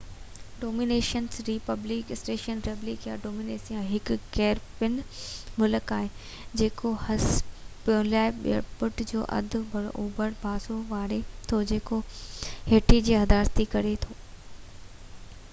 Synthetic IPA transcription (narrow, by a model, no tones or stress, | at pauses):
ɖoːmiːneːʃənsɾiːpɐblɪkɪsʈeːʃənɾeblɪkjaɖoːmiːneːsijãɦɪkkɛːɾpɪnmʊləkaːɦe | d͡ʑeːkohɐspijʊ̃laːɪɓpʊʈd͡ʑo̰ːʔɐ̰d̪ʱʊ̆bʱɐɽʔuːbəɽbʱaːsoʋaːɾet̪ʰod͡ʑeːkoheːʈid͡ʑiːɦɐd̪aːɾt̪ikɐɾet̪ʰoː